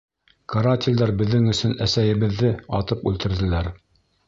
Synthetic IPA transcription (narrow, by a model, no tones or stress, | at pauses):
kɐɾat̪ʲɪlʲd̪ɑɾbɘ̆ðːɘŋɵ̆sɵnæsæjɘ̆βɘ̆ðːɘɑt̪ɤpʉlt̪ɘ̆ɾðɘ̆læɾ